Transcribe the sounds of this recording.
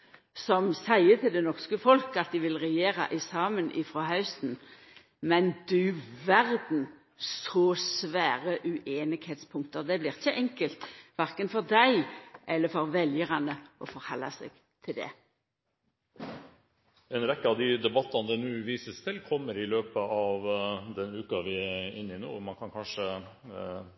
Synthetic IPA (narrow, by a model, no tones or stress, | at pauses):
sɔmsæɪət̪ʰɪld̪ɛnɔʁskəfɔlkɑt̪̚d̪ɪʋɪlʁɛjeːʁɑ̰ʔɪsɑːmənʔɪfʁohɑʉsn̩ | mɛnd̪ʉʋæʁd̪n̩ | ssɔːsʋæːʁəʔʉʔeːnɪɡheːt̪spʰʊŋk̚t̪əʁd̪ɛblɪʁçəʔɛŋkəlt̪ʋæʁkənfɔʁd̪æɪʔɛlːəfɔɾʋɛljəɾɑnəʔɔfɔɾhɑlːɑsɛ̰ɡ̥ | t̪ʰɪld̪ɛ̰ | ɛnɾɛkːəɑʋd̪ɪd̪ɛbɑt̪ːɑnəd̪ɛnʉːʋiːsəst̪ʰɪlkʰɔmːəɾɪløːpəɑʋd̪ɛnʉːkɑʋɪæɪnːɪno̰ːmɑnkʰɑnkʰɑnʂə